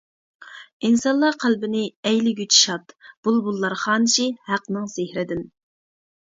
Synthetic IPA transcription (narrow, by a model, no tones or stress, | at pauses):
insɑnlˠɑqʰælbɪnɪɛjlɪɡʲyt͡ʃʰi̥ʃɑt̪b̥ulˠbulˠːɑɾχɑːnɪʃihæqnɨŋsehɾɪd̪ɪn